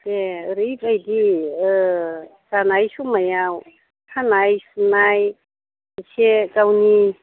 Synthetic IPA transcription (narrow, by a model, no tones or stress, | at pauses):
deɾipajdi | sanajsumajaw | hʰanajsunaj | sʰekawni